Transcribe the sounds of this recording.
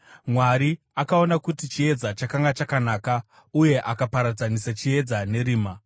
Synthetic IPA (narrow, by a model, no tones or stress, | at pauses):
mwaɾi | akao̞nakutit͡ʃie̞d͡zat͡ʃakaŋɡat͡ʃakanaːka | uje̞ʔakapaɾad͡zanisat͡ʃie̞d͡zane̞ɾiːma